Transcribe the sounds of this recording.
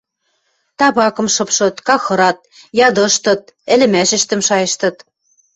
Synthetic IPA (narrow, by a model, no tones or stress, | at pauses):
t̪ɑβɑkɤ̆mʃɤ̆pʃɤ̆t̪kɑxɤ̆ɾɑt̪̚ | jɑd̪ɤ̆ʃt̪ɤ̆t̪̚ɘ̆lɘ̆mæʃɘ̆ʃt̪ɘ̆mʃɑjɤ̆ʃt̪ɤ̆t̪